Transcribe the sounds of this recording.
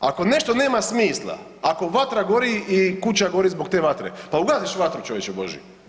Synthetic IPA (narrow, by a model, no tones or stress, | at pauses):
a̰ko̞ne̞ʃt̪o̞ne̞ːmasmiːslˠa̰ | ako̞ʋat̪ɾaɡo̞ɾiikut͡ɕaɡo̞ɾizbo̞kt̪e̞ːʋat̪ɾḛpauɡaːziʃʋat̪ɾut͡ʃo̞ʋjet͡ʃebo̞̰ʒjḭ